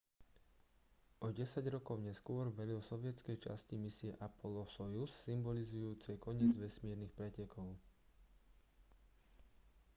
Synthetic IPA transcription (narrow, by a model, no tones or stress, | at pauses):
ʔɔɟɛsaɟɾɔkɔʊɲɛskʊɔɾʋɛlilsɔʋɪɛt͡skɛjt͡ʃa̰scimisiɛʔapʰɔlɔsɔjusːimbɔlizujuːt͡sɛkɔɲɪɛːd͡zʋɛsmɪɛɾnixpɾɛcɛkɔʊ